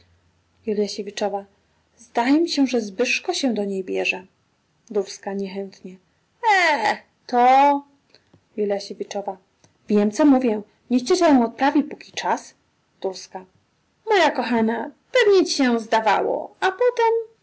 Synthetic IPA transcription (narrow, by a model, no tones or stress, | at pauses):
julʲjaɕevʲit͡ʂɔva | zd̪ajɛmʲiɕɛʐɛzbɘʂkɔɕɛ̃d̪ɔɲejbʲjɛʐɛ | d̪uɾskaɲɛxɛnt̪ɲɛ | ɛ | t̪ɔ | julʲjaɕevʲit͡ʂɔva | vʲjɛmt̪sɔmuvʲjɛ | ɲɛɕt͡ɕɛɕɛjɔ̃w̃ɔt̪̚pɾavʲipukʲit͡ʂas | d̪̥uɾska | mɔjakɔxanapɛvɲɛt͡ɕiɕɛzd̪ava̰wɔ̰apɔt̪ɛm